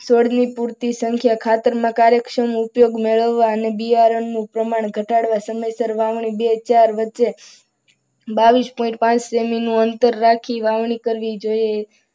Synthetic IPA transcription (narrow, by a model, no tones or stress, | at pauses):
soɽnipuɾt̪isəŋkʰjakʰat̪əɾmãkaɾjəkʃəmʊpjoɡmeɭəʋːaənebiaɾəɳːũpɾəmaɳ̃ɡʱəʈaɽʋasəməjsəɾʋaʋɳ̃ibet͡ʃaɾʋətːʃe | baʋispɔĩɳʈ̚pãt͡ʃseminũənt̪əɾːakʰiʋaʋɳ̃ikəɾʋid͡ʒoje